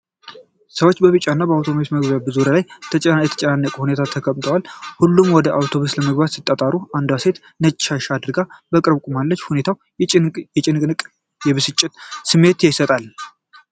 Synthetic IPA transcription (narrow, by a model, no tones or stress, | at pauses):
səwot͡ʃːbəβɨt͡ʃʼanːabəawt̪ʰo̞mausməɡβabɨzuɾalajʰjɛt̪ʰə̥t͡ʃʼənanːəkʼuhune̞t̪ʰat̪ʰəkʰəmt̪ʰəwalhulːumwɔd̪əʔawt̪ʰo̞βusləməɡbat̪sit̪ʼːət̪ʼaɾuand̪ase̞t̪ | nət͡ʃʼːaʃad̪ɨɾɡabəkʼɨɾβkʷʼumalːət͡ʃːhune̞t̪ʰaw | jɛt͡ʃʼɪnʼɨkʼ | jɛβɨsɨt͡ʃʼːɪt̪sɨmːe̞t̪jɛsət̪ʼal